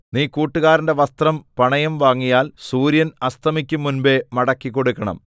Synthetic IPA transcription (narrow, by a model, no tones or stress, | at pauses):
niːkuːʈːuɣaːɾinde̞ʋɐst̪rɐmpɐɳɐjɐmʋaːŋːijaːlsuːɾjɐnɐst̪ɐmikʲːumːunbe̞mɐɽɐkːikːo̞ɽukːɐɳɐ̰m